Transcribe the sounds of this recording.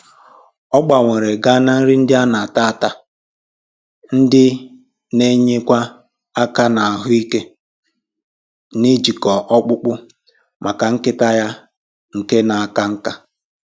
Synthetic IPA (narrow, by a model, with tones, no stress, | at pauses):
ɔ˦ɡ͡ba˨ŋʷe˨ɾe˨ɡa˦na˦n̩˦ɾɪ˦n̩˦dɪ˦a˦na˨a˨ta˦a˦˨ta˦ | n̩˦dɪ˦ | ne˦ɲe˦kʷa˦ | a˦ka˦na˨a˨ɦʊ˦i˦ke˦ | ni˦d͡ʒi˨kɔ˨ʔɔ˦k͡pʊ˦k͡pʊ˦ | mʔa˨ka˨ŋ̩˦kɪ˦ta˦ja˦ | ŋ̩˨ke˦na˨a˨ka˦ŋ̩˦ka˦